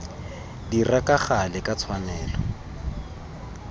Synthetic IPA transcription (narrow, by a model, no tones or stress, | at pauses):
dirakʼaχalɪkʼat͡sʰwanɛːlɔ